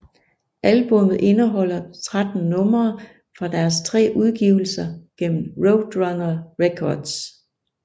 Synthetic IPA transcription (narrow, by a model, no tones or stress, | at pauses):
ʔælb̥ɔ̽mð̞̩ˠʔe̝nəɦɒ̽l̰ɐt͡sʰʁad̥n̩nɔ̽mɐː | fʁɑ̈d̥æɐst͡sʰʁɛ̰ːʔuð̞ˠɡ̥iːʊl̩sɐɡ̥en̰m̩ʁoʊd̥ʁɑŋɐʁekʰɒ̰ːd̥s